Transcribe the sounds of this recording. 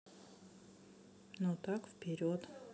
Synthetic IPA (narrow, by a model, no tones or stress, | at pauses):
not̪akfpʲɪɾʲot̪